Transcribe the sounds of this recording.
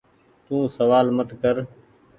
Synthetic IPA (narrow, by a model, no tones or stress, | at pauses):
t̪ũːsəʋaːlmət̪kəɾ